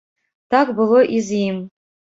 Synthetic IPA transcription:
tʰakʼbɨlˠoʔizijm

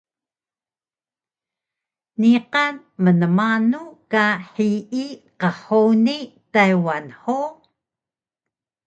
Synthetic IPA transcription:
niqɑn | mənəmanukaħiʔiqəħonitajwanħo

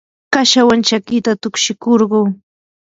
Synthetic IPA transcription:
kaʃawant͡ʃakɪt̪at̪ʊkʃɪkoɾɢoː

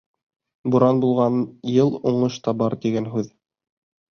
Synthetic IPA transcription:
buɾɑnbulˠʁɑnjɤlˠuɴɤʃt̪ɑbɑɾt̪iɡænɦʉð

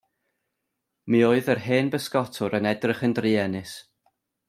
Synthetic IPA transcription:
mioːɨðərɦeːnbəskɔtʰʊɾənɛdrɪχəndriːɛnɨs

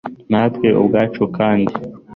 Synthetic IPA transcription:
naːt̪keʔo̰bɡaːt͡ʃokaːndi

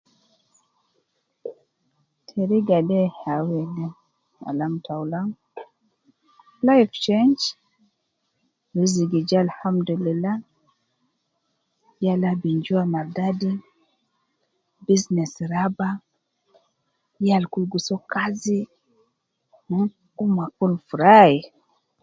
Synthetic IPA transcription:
tʰɛɾiɡadɛhawɛlɛ | a̰lamtʰawlaŋ | lajft͡ʃɛnd͡ʒ | wiziɡid͡ʒalhamdulilːa | jalabind͡ʒuamaɾdadi | biznɛsɾaba | jalkulɡusɔkazi | umakulfuɾai

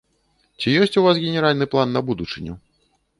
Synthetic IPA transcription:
t͡sʲijɔsʲt͡sʲuvas̬ɣʲɛnʲɛɾalʲnɨplˠanːɐbud̪ut͡ʂɨnʲu

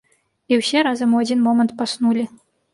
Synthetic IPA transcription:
iwsʲɛɾazɐmuad͡zʲinmɔmɐnt̪̚pasnulʲi

